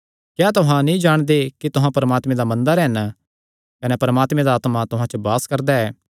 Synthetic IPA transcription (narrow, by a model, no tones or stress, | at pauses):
kjaːt̪ʊɦãnĩd͡ʒaːɽ̃d̪ekit̪ʊɦãpɐɾəmaːt̪mẽd̪amɐ̃nd̪əɾɦɛn | kɐnɛpɐɾmaːt̪mẽd̪aːt̪mat̪ʊɦãt͡ʃəbaːskɐɾd̪aɛː